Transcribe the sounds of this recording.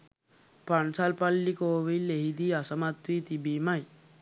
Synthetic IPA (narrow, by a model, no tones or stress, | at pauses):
paɳsalpalːikoːʋijleɦid̪iasɐmat̪wiːt̪ibimaj